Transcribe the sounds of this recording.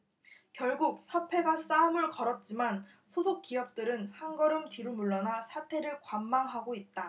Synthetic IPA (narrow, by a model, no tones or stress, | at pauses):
kjʌɭɡuk̚çjʌpʰe̞ɡas͈aɯmɯɭkʌɾʌt̚t͡ɕ͈iman | sʰosʰok͈̚ijʌp̚t͈ɯɾɯnhanɡʌɾɯmtiɾumuɭːʌnasʰatʰe̞ɾɯɭkwamːaŋɦaɡoit̚t͈a